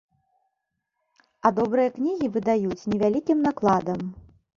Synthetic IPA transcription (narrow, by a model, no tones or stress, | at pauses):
ɐd̪ɔbɾɨjɐknʲiɣʲivɨd̪ajut͡sʲnʲɛvʲalʲikʲimnaklˠad̪ɐm